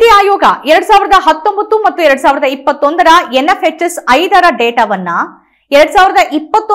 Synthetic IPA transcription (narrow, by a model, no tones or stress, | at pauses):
iaːjoːɡɐɛɾɐɽusaːʋɪɾɐd̪ɐɦɐt̪ːo̞mbɐt̪ːumɐt̪ːuɛɾɐɽusaːʋɪɾɐd̪ɐipːɐt̪ːond̪ɐɾɐenːɐfɦet͡ʃːɐsɐjd̪ɐɾɐɖeːʈaːʋɐnːɐ | ɛɾɐɽusaːʋiɾɐd̪ɐʔipːɐt̪ː